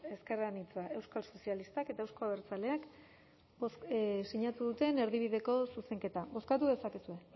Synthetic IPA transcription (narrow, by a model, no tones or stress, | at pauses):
e̞ske̞ranit͡saʔe̞wskalso̞sijalist̪ake̞t̪ae̞wskoaβeɾt͡sale̞ak | bossiɲat̪uðut̪e̞ne̞ɾðiβ̞iðe̞ko̞suse̞ŋke̞t̪aβo̞skat̪uðe̞sakesue̞